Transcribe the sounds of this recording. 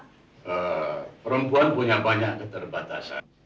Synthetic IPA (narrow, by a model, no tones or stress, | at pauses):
əpəɾəmpuanpuɲabaɲaʔkət̪ərbat̪a̰sa̰n